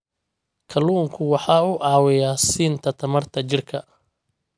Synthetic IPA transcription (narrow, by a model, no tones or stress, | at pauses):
kʰɐluːŋkʰʊwɑħɑːuːʔɑːwɪjaːsiːnt̪ʰɐt̪ʰɐmɐrt̪ʰɐt͡ʃɪrkʰɐ